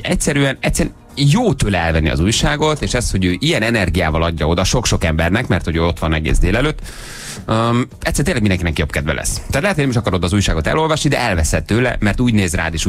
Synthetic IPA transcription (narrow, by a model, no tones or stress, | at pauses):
ɛcsɛɾyɛnɛcsːɛɛ | joːt̪øːlɛɛlvɛnːḭɒ̰zuːjʃaːɡo̞t̪eːʃɛsho̞ɟøːʔijɛnɛnɛrɡijaːvɒlɒɟːɒo̞d̪ɒʃo̞kʃo̞kɛmbɛrnɛkmɛrt̪hoɟøːo̞t̪ʋɒnɛ̰ɡḛːzd̪eːlɛløːt̪ː | ɛc̪sːɛɾt̪enlːɛɡmiɛŋkinɛkijo̞pkɛd̪vɛ̰lɛ̰sːt̪ːaːt̪lɛɦɛt̪ojnɛmiʃɒkɒɾo̞d̪ɒzuːjʃaːɡo̞t̪ɛ̰lo̞lvɒʃnid̪ɛ̰ʔɛlvɛsɛt̪ːøːlɛ̰mɛrt̪uːɟneːzra̰ːd̪eːʃ